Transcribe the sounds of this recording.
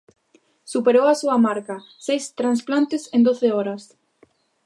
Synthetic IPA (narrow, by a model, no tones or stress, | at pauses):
supeɾowasuɐmaɾka | sejst̪ɾansplant̪ɪsend̪oθeɔɾɐs